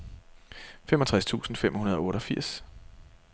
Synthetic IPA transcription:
femɒ̽t͡sʰʁast͡sʰṵːsn̩fem̰hunɐð̞ˠɒ̽ɔ̽ːɾɒ̽fiɐ̰s

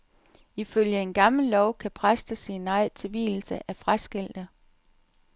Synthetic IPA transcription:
iføljəe̝nɡ̥ɑ̈ml̩lɒʊkʰæpʰʁasd̥əsinɑ̈ɪt͡sʰe̝ʋḭːl̩səʔæfʁasɡ̥el̰d̥ə

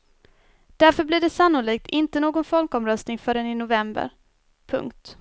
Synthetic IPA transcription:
d̪̥æɾfœblɪɖɛsanːʊɭiːk̚t̪ʰɪnt̪ənoːɡɔnfɔlkɔmɾœst̪nɪŋfœːɾənɪnʊvɛmbə̰ɾ | pʰɵ̰ŋkt̪

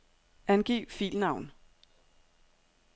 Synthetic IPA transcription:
ænɡ̥iːfḭlnɑ̈ʊn

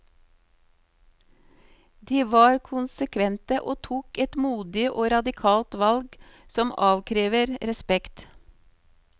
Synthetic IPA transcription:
d̪iːʋɑːɾkʰʊnsəkʰʋɛnt̪əʔoːt̪ʰuːkɛt̪muːd̪ɪʔoːɾɑd̪ɪkʰɑːlt̪ʋɑlɡsɔmɑːʋkʰɾeːʋəɾɾɛspɛkt̪

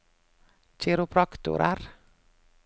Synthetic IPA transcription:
t͡ʃɪɾʊpʰɾɑkt̪ʊ̰ɾʔə̰ɾ

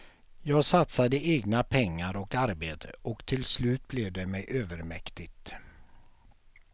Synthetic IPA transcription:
jɑːɡsat̪sad̪əʔeːɡnapʰɛŋːaɾɔkaɾbeːt̪ʰəʔɔkt̪ʰɪlslʉ̟ːt̪̚blɛvd̪ɛmɛjʔøːvəɾmɛkt̪ɪɡt̪

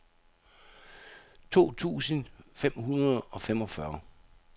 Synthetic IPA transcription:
t͡sʰo̝̰ːt͡sʰṵːsənfem̰hunɐð̩ˠɒ̽fem̰ɒ̽fɶɐ

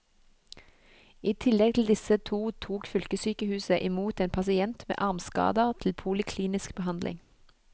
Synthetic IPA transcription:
iːt̪ʰɪlɛɡ̚t̪ʰl̩d̪ɪsət̪ʰuːt̪ʰuːkfʏlkəsyːkəhʉːsəʔɪmuːt̪eːnpʰɑsɪɛnt̪mḛːʔɑʁmskɑ̰ːd̪əʁt̪ʰl̩pʰʊlɪkʰliːnɪskbəɦɑnd̪lʔɪ̰ŋ

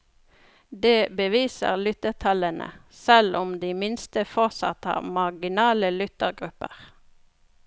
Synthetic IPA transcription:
d̪eːbəʋiːsə̰ʁlʏt̪əʁt̪ʰɑlənʔə̰ | sɛlʔʊmd̪iːmɪnst̪əfɔʁsɑ̰t̪ɑ̰mɑɡɪnɑːləlʏt̪əʁɡʁʉpəʁ

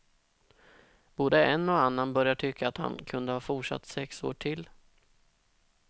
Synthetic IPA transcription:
b̥oːd̪əɛnːɔanːanbœɾjaʈʰʏkʰːaːt̪ha̰nkʰɵnd̪əhɑːfʊʈʂa̰t̪ːsɛkso̰ːʈʰɪlː

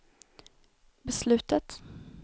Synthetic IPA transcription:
bɛslʉ̟ːt̪ət̪

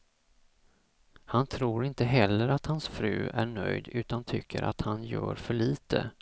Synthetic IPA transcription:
hant̪ʰɾuːɾɪnt̪əɦɛlːəɾat̪hansfɾʉ̟ːʔæɳœ̰jd̪ʉ̟ːt̪ant̪ʰʏkʰːəɾʔa̰t̪hanjœ̰ːɾfœɭiːt̪ʰə̰

